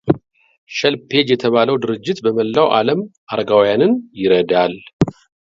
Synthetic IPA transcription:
ʃəlpʰe̞d͡ʒjɛt̪ʰəβaləwd̪ɨɾɨd͡ʒːɪt̪bəməlːawʔaləmʔaɾɡawjanɨnjɪɾəd̪al

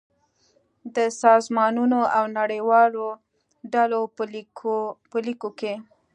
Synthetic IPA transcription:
d̪əsɑzmɑnunoʔawnaɽəjwɑlo | ɖalo | pəlikoke

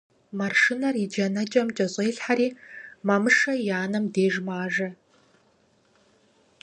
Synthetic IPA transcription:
mɐrʂɨnɐrid͡ʒɐnɐd͡ʒʼɐmt͡ʃʼɐɕʼeːɬħaɾiːmɐmɨʂɐjaːnɐmdeːʒmaːʒɐ

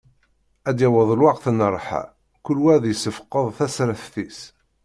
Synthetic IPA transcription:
æd̪jæwəðˤlwɑqθənərˤħa̰ | kʊlwæðjəsəfə̥qːəðˤθæsɾəθθis

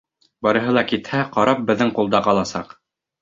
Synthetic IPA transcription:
bɑɾɤ̆ɦɤlˠɑkit̪hæqɑɾʔɑp̚bɘ̆ðːɘɴqulˠd̪ɑqɑlˠɑsɑ̰q

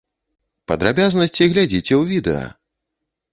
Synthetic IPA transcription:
pɐd̪ɾabʲaznɐsʲt͡sʲiɣlʲad͡zʲit͡sʲɛwvʲid̪ɛ̰ɐ̰

